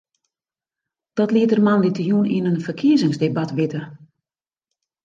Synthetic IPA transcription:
d̥ɔtliətərmanditʰəjuninənfərkʰiəzɪŋsdebatʋɪtə

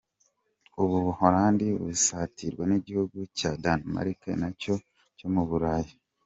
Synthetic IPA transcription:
uβuβuhoɾaːndiβṵsatʰiɾɡweniɟihuɡucadanma̰ɾikḛnaco̞ | comuβuɾaːji

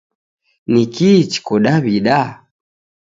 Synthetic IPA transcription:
nikit͡ʃi̥kɔɗaβiɗa

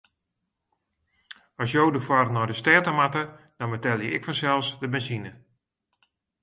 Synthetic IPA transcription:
ɔsjowdəfwarnɔjdəstɛːtəmatə | d̥ɔnbətɛlˠjəɪkfɔnsɛlˠsdəbɛnsinə

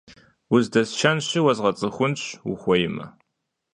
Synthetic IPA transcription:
wʊzdɐsʃɐnɕɪwɐzʁɐt͡sʼɨχʷʊnɕṵχʷɔjɪmɐ̰

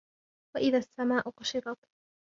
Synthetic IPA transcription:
waʔɪðaːsːamaːʔʊqʊʃɪɾˤɑt̪

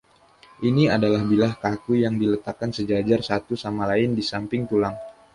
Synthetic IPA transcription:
ʔiniadalahbilahkakujaŋdilət̪akːansəd͡ʒad͡ʒarsat̪usamalaɪndisampɪŋt̪ulaŋ

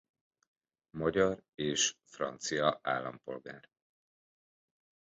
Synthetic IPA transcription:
mɒɟɒreːʃfrɒ̰nt̪sijɒa̰ːlːɒ̰mpo̞̰lɡa̰ːr

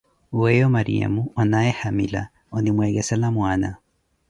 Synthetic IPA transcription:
wɛjɔmaɾḭa̰muɔnaɛhamila̰ | ɔnimwɛːɣɛsalamwaːna

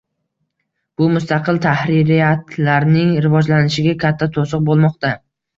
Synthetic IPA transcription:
b̥ʊmʊst̪ʰɑqʰɨlt̪ʰahɾɪɾɪjat̪ʰlaɾnɪŋɾɪvɒd͡ʒlanɪʃɪɡʲakʲʰat̪ʰːat̪ʰosɨq̚bolˠmɒqt̪a

